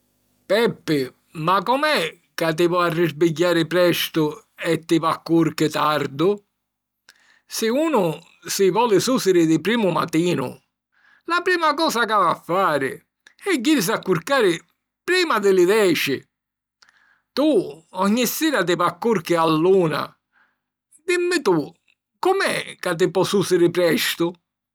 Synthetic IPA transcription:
pɛpːɪ | makɔmɛ | kat̪̬ːɪvɔarːɪzbɪɟːaːɾɪpɾɛst̪ʊɛt̪ːɪvakːuɾkɪt̪aɾd̪ʊ | sɪuːnʊ | sɪvɔːlɪsusɪɾɪd̪ɪpɾiːmʊma̰t̪iːnʊ̰ | lapɾiːmakɔːsakavafːaːɾɪ̰ | ɛɟːiɾɪs̬akːuɾkaːɾɪ | pɾiːmad̪ɪlɪðɛːt͡ʃɪ | t̪uɔɲːisːiːɾat̪̬ɪvakːuɾkɪalːuːna̰ | d̪imːɪt̪u | kʊmɛ̰kat̪̬ːɪpɔsuːsɪɾɪpɾɛst̪ʊ

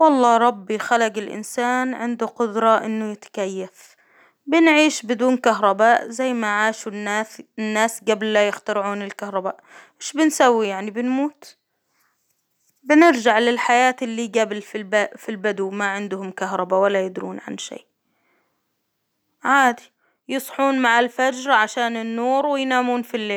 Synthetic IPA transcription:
wɑlˤːɑːɾˤɑbːixalaɡɪlʔɪ̰nsaːnʕɪnd̪uqʊd̪ɾˤɑʔɪnːʊjɪt̪ḁkajːaf | bɪnʕiːʃbɪd̪uːnkaɦɾˤɑbaːʔzajːmaʕaːʃunaɪnːaːsɡablːajɪxt̪ɑɾʕuːnɪlkahɾˤɑbaːʔmɪʃbɪnsawːijaʕnibɪnmuːt̪ | bɪnɪɾd͡ʒaʕlɪlħajaːt̪ɪlːiːɡablfibfilbad̪umaʕɪnd̪ʊhʊmkaɦɾˤɑbawalːajɪd̪ɾuːnʕa̰nʃḛːʔ | ʕaːd̪i̥ | jɨsˤħuːnmaʕalfad͡ʒɾˤɑʕaʃaːnɪnːuːɾwɪjnaːmuːnfilːeːl

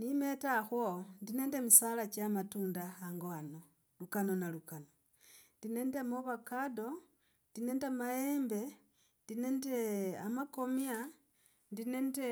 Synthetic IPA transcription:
nime̞taxwondinendemisalat͡ʃamatuːndaaŋɡoano | lukano̞nalukano | ndine̞ndemoβakado̞ | ndinendemajeːmbe̞ | ndine̞ndeamako̞mja | ndine̞nte

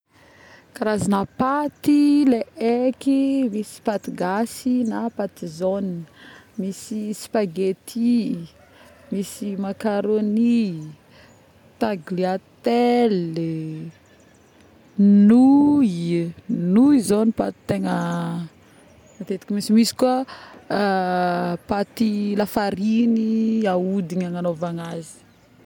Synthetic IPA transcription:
kaɾazanapat̪ileʔekimisi̥pat̪iɡasinapat̪izonmisisi̥paɡet̪ʰi | misimakaɾoni | t̪aɡliat̪el | nu | nuizonipa̰t̪i̥t̪eŋə | at̪et̪i̥kʲimisimisi̥kuə | pat̪ilafaɾiniaud̪iɲaŋanovaŋazi̥

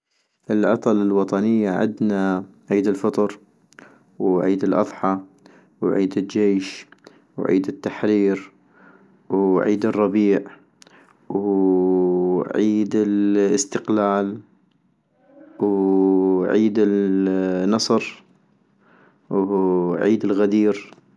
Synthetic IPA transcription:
ʔɪlʔɑ̰t̪ˤɑlɪlwɑt̪ˤɑnɪjːaʕɪ̰d̪na | ʕiːd̪ɪlfɑt̪ˤɾ | wʕiːd̪ɪlʔɑ̰ðˤħɑ | wʕiːd̪ɪld͡ʒeːʃ | wʕḭːd̪ɪt̪ːaħɾiːɾ | wʕiːd̪ɨrˤːɑbiːʕ | w | ʕiːd̪ɪlɪst̪ɪqlaːl | w | ʕiːd̪ɪlː | ɑsˤɾ | wʕiːd̪ɪlɣad̪iːɾ

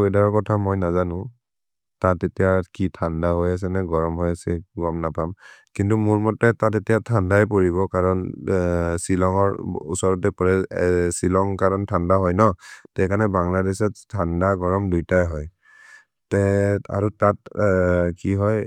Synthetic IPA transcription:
ejdaɹɔkɔtʰamɔjnazanʊ̃ | tatetijakitʰandaɦojas̬ɛnɛɡɔɹɔmɦɔjasɛɡɔmnapamkintumʊɹmɔtːɛtatetijatʰandajp̬oɹiβɔkaɹɔn | silɔŋɔɹṵsɔɹɔtɛpɔɹɛsilɔŋkaɹɔntʰandaɦɔjnɔtɛjkʰanɛbaŋladɛsɛttʰːandaɡɔɹɔmdujtajɦɔj | tɛa̰ɹutat | kiɦɔj

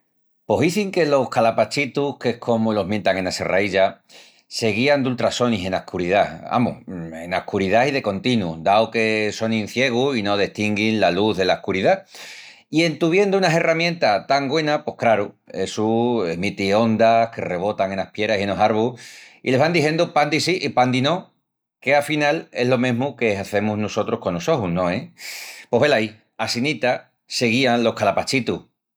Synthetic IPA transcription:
po̞ɦiθiŋke̞lo̞hkalapat͡ʃit̪uhke̞hkʰo̞molo̞mje̞nt̪aŋe̞nase̞̰rʔa̰iʎa | se̞ɣ̞iand̪ult̪ɾaso̞niɦe̞nahkuɾiðaa̰mṵe̞̰nahkuɾiðaið̞e̞ko̞nt̪inud̪aoke̞so̞nĩn̟θje̞ɣ̞uino̞ð̞eht̪iŋɡinlaluððe̞laehkuɾiða | ie̞nt̪uβ̞je̞nd̪uunase̞ramjẽ̞nt̪at̪aŋɡwe̞napo̞hkɾaɾu | e̞suemit̪io̞nd̪ahke̞re̞β̞o̞t̪aŋe̞nahpje̞ɾasieno̞saɾβuile̞βand̪ihje̞nd̪upand̪isiʔipand̪ino̞ | ke̞afinale̞ɦlo̞mẽɦmuke̞aθe̞muznoso̞t̪ɾohko̞nːoso̞hunõ̞epo̞ɦβe̞lai | asinit̪a | se̞ɣ̞ianlo̞hkalapat͡ʃit̪u

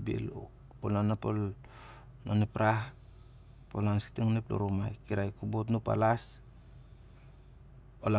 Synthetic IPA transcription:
bḭl | olanapol | nonipɾah | polansi̥ktiŋneplo̰ɾumajkiɾajkubutnupa̰las | ola

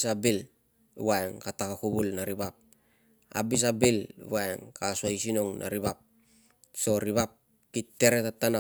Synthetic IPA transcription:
sabil | βaeŋkatakakubulnaɾibap̚ | a̰bis̬abil̰βaeŋkasuajsinoŋnʔa̰ɾiβap̚ | so̞ɾiβap̚ | kitːeɾetatːana

